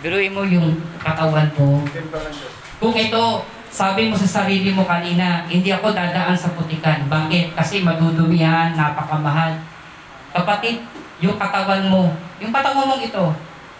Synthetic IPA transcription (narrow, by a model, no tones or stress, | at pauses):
bɪɾuɪmojʊŋkɐt̪ɐwanmo | kʊŋʔɪt̪o̞ | saːbɪmosɐsɐɾiːlɪmo̞kɐniːnɐhɪnd̪ɪʔɐko̞d̪aːd̪ɐʔansɐbʊt̪ɪkanbaːkɪt̪̚kɐsɛmɐd̪uːd̪ʊmɪanːapɐkɐmɐɦal | kɐpɐt̪ɪd̪̚jʊŋkɐt̪ɐwanmo̞jʊŋkɐt̪ɐwanmoŋɪt̪o̞